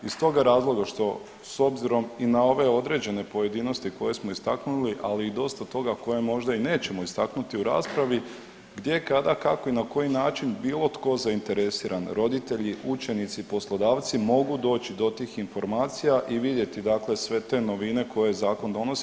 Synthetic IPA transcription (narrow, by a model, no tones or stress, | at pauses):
ist̪o̞ɡaɾaːzlˠo̞ɡaʃt̪o̞ | so̞bziɾo̞minao̞ʋe̞o̞d̪ɾe̞d͡ʑe̞ne̞po̞je̞d̪iːno̞st̪iko̞je̞smo̞ist̪aknuliʔaliːd̪o̞st̪at̪o̞ɡako̞je̞mo̞ʒd̪aine̞ːt͡ɕe̞mo̞ist̪aknut̪iuɾa̰ːspɾaʋi | ɡd̪je̞kad̪akako̞inako̞jinaːt͡ʃinbiːlˠo̞t̪ko̞zaint̪e̞ɾe̞siːɾʔanɾo̞d̪it̪e̞ʎiʔut͡ʃe̞nit̪sipo̞slˠo̞d̪aːʋt̪simo̞ɡud̪o̞ːt͡ɕid̪o̞t̪iːxinfo̞ɾmaːt̪sijaʔiʋid̪je̞t̪id̪akle̞sʋe̞t̪e̞ːno̞ʋine̞ko̞je̞zaːko̞nd̪o̞no̞s